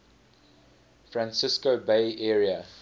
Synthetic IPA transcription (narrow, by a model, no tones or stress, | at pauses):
fɹãnsɪskobeɪʔɛːɹiə